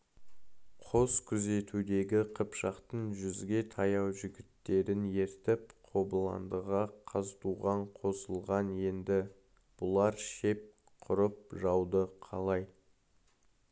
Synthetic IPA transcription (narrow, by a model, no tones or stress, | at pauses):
qʰo̞z̥kʲʰʏze̞t̪ud̪e̞ɡʲɪqʰəpʃɑqt̪əɴʒʏzɡʲe̞t̪ʰɑjɑwʒʏɡʲɪt̪ːe̞ɾɪne̞ɾt̪ɪpqʰo̞bəlˠɑ̰nd̪əʁɑqʰɑzt̪uʁɑɴqʰo̞səlˠʁɑnje̞nd̪ɪ | b̥ʊlˠɑɾʃe̞p̚ | qʰʊɾəp̚ʒɑwd̪əqʰɑlˠɑj